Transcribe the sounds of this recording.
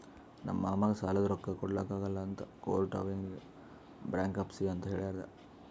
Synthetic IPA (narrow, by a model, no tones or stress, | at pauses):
nɐ̰mːaːmaːɡesaːlɐd̪ɾɔkːɐkɔɽlaːkaːɡɐlːɐːnt̪ɐkoːlʈɐ̰ːʋiŋɡ | bɾaːŋkɐpsiɐnt̪ɐɦeːɭaːɾd̪ɐ̰